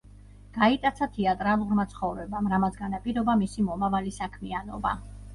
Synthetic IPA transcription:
ɡ̥ait̪ʼat̪sʰat̪ʰɛat̪ʼɾalˠuɾmat̪sʰχɔvɾɛbamɾamat̪sɡanapʼiɾɔbamisimɔmavalisakʰmianɔ̰ba̰

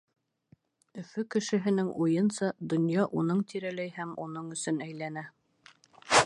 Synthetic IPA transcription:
ɵ̆fɵkɘ̆ʃɘ̆ɦɘ̆nɘŋʔujɤnsɑd̪ŏnjɑʔunɤɴt̪ʰiɾælæjhæmunɤɴɵ̆sɵnæjlænæ

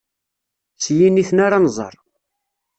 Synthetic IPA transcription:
t͡sːjiniθnaɾanzˤə̰ɾˤ

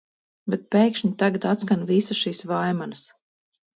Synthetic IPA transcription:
bɛt̪̚peːkʃɲit̪aɡat̪at̪skanvisasʃiːsvajmanas

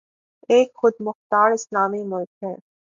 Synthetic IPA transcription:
eːkxʊd̪̚mʊxt̪aːɾɪslaːmimʊlkɦɛ̃ː

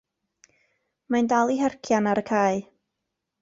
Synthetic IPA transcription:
mandalˠiɦɛrkʰjanaɾəkʰaːɨ

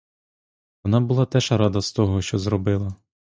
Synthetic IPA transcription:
ʋɔnɑbʊlˠɑt̪ɛʃɐɾɑd̪ɐst̪ɔɦɔʃt͡ʃɔzɾɔbɪlˠɐ

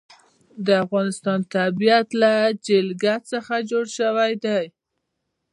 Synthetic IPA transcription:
d̪əafɣɑnɪst̪ɑnt̪abijat̪lad͡ʒɪlɡat̪səxad͡ʒoɽʃəwajd̪aj

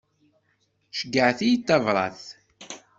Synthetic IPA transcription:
ʃəɡːəʕθijit̪ːɑvɾˤɑ̰θ

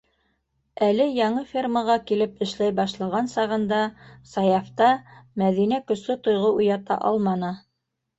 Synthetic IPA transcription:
ælɘjɑɴɤfʲerməʁɑkilɘpɘ̆ʃlæjbɑʃlˠɑ̆ʁɑnsɑʁɤ̆nd̪ɑsɑjɑft̪ɑmæðinækɵ̆slɘt̪ŏjʁɤʔujɑt̪ɑ̰ʔɑ̰lˠmɑnɤ

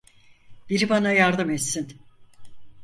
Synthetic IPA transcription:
b̥iɾibanajaɾd̪ɯmɛt̪sin

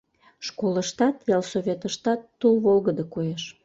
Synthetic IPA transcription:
ʃkoləʃt̪ɑt̪jɑlˠsoβʲet̪əʃt̪ɑt̪ːulβolɣəd̪əkojeʃ

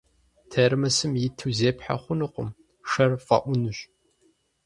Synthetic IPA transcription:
tʰermɐsɨmjɪtʰɨzeːpħa̰χʷʊnɨqʷʊ̰m | ʂɐrfɐ̰ʔʷʊnɨɕʼ

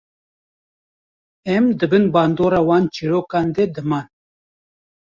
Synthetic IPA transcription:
ɛmd̪ɨbɨnbɑːnd̪oːɾɑːwɑːnt͡ʃiɾoːkɑːnd̪ɛd̪ɨmɑːn

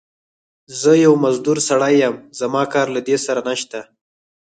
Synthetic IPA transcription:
zəjawmazd̪uɾsaɽajːəmz̥amɑkɑɾlad̪esaɾanaʃt̪a

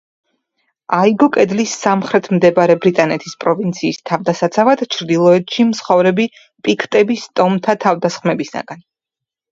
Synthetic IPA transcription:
aiɡɔkʼɛd̪lisamχɾɛt̪ʰmd̪ɛbaɾɛbɾit̪ʼanɛt̪ʰispʼɾɔvint̪sʰiːst̪ʰavd̪asat̪sʰavad̪t͡ʃʰɾd̪ilˠɔɛt̪ʰʃimtsχɔvɾɛbi | pʼikʰt̪ʼɛbist̪ʼɔmt̪ʰat̪ʰavd̪asχmɛbisa̰ɡan

